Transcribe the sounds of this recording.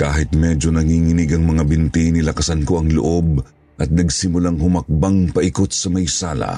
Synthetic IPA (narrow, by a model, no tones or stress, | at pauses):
kaːɦɪt̪̚mɛd͡ʒo̞nɐŋiːŋɪnɪɡɐŋmɐŋabɪnt̪inɪlɐkɐsɐnko̞ɐŋlo̰ʔo̞b | ʔɐt̪̚nɐɡsɪmʊlaŋhʊmɐk̚baŋpɐʔɪkot̪̚sɐmɐjsaːlɐ̰